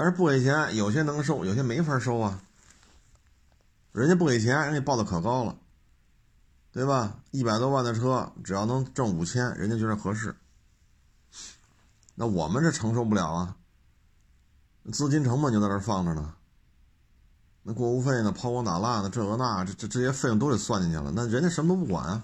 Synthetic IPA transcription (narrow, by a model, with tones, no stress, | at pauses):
t̪nʂɻ̩˧˥pu˥˩ke˧˩ɪt͡ɕʰjɛ˧˥njo˨˩ʊɕ̬jɛ˥nɤ˧˥ŋɡʂ̬o˥ʊjo˨˩ʊɕjɛ˥me˧˥ɪfa˧˥ʂo˥ʊɐ˨˩ | ɻə˧˥nt͡ɕjɛ˥pu˥˩ke˨˩ɪt͡ɕʰjɛ˧˥ni˥ŋwɪpɑ˥˩ʊd̪ə˩kʰɤ˨˩kɑ˥ʊlə̰˨ | t̪we˥˩ɪbɐ˩i˥˩pa˨˩ɪt̪wɔ˥wa˥˩nd̪ə˩ʈ͡ʂʰɤ˥ʈ͡ʂɻ̩˨˩jɑ˥˩ʊnɤ˧˥ŋʈ͡ʂɤ˥˩ŋu˨˩t͡ɕʰjɛ˥nɻə̰˧˥t͡ɕjɛ˥t͡ɕjʂ̩˥˩xɤ˧˥ʂ̬ɻ̩˥˩ | na˥˩wɔ̰˨˩mə˦nʂ̩˥˩ʈ͡ʂʰɤ˧˥ŋʂo˥˧ʊp̬u˥˩ljɑ̰˨˩ʊɐ˧ | n˥˧t͡sɹ̩˥˧t͡ɕi˥nʈ͡ʂʰɤ˧˥ŋmə˥˧t͡ɕo˧t͡s̪ɻə˞˧fɑ˥˩ŋʈ͡ʂə˩nə˩ | nɤ˧˥ŋkwɔ˥˩u˧˥fe˥˩ɪnə˩pʰɑ˥ʊkwɑ˥ŋt̪a̰˨˩la˥˩nə˩ʈ͡ʂɤ˥˩ŋɤ˧˥na˥˩ʈ͡ʂʈ͡ʂʈ͡ʂɤ˥˧˩ɕjɛ˥fɪ˧ŋt̪o˥ʊɻ̩˥˩swa˥˧nt͡ɕi˥˧ŋt͡ɕʰɛ̰˨˩lə̰˩˦na˥˩ɻə˧˥nt͡ɕjɛ˥ʂə˧˥mə˧t̪o˥ʊ˥p̬u˥˩kwa̰˨˩nɐ˦